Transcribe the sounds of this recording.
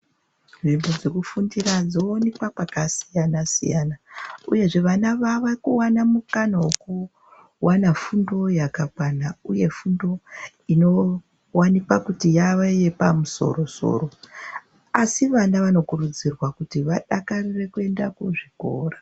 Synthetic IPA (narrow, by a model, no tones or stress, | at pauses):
ʐimbod͡zekufundirad͡zo̞onipwapakasijanasḭjanauje̞ʐe̞ʋanaʋaʋakuwanamukanawoku | wʔanafundo̞jakakwanauje̞fundo̞ | ino̞ | wanipakutijaʋaije̞pamuso̞̰ro̞so̞̰ːɾo̞ | asiʋanaʋano̞kurud͡zirwakutiʋaɗakarire̞kue̞ndakuʐiko̞̰ːra